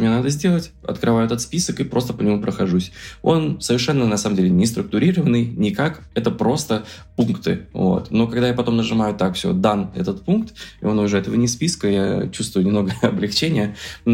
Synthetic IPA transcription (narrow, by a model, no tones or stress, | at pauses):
mʲɪnanad̪əzʲdʲe̞lˠətʲɐ̰t̪kɾɨvaʊɛt̪ət̪spʲisəkɨpɾo̞st̪əpənʲɪmupɾəxɐʐusʲo̞nsəvʲɪrʂɛnːənɐsaməmdʲelʲɪnʲɪst̪ɾʊk̚t̪ʊɾʲiɾəvənːɨjnʲɪkak | ɛt̪əpɾo̞st̪ə | punkt̪ɨ̰vo̞̰t̪no̞kɐɡd̪ajapɐt̪o̞mnəʐɨmajʊt̪akfsʲo̰d̪anɛ̰t̪ət̪punkt̪ɪo̞nʊʐɛɛt̪əvənʲɪspʲiskəja̰t͡ɕust̪vʊjnʲɪmno̞ɡəɐblʲɪxt͡ɕenʲɪjə